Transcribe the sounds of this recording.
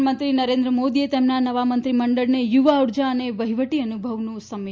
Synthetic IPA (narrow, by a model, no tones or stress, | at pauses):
mənt̪ɾinəɾẽnd̪ɾəmod̪iet̪emnanəʋamənt̪ɾiməɳɖəɭnejuʋauɾd͡ʒaəneʋəɦiʋəʈiənubʱəʋnũsəmː